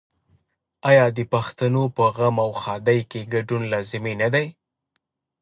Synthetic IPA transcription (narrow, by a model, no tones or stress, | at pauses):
ɑjɑd̪əpaxt̪anopəɣamawxɑd̪ajkeɡaɖunlɑzɪmenad̪aj